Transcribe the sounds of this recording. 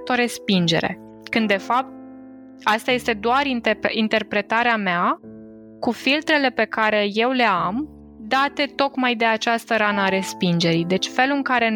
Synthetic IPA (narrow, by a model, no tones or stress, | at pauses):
t̪o̞ɾe̞spind͡ʒe̞̰ɾe̞̰ | kɨnd̪ːe̞fap̚t̪̚ | ast̪aje̞st̪e̞d̪oaɾint̪int̪e̞rpɾe̞t̪aɾeamea | kufilt̪ɾe̞le̞pe̞kaɾe̞je̞wle̞am | d̪at̪e̞t̪o̞kmajd̪e̞at͡ʃast̪əɾanəaɾe̞spind͡ʒe̞ɾijd̪e̞t͡ʃʲfe̞lɨŋkaɾe̞